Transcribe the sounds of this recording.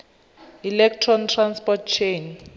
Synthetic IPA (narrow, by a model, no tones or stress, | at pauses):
ilɛk̚tʰrɔntʰranspɔt̚t͡ʃʰejn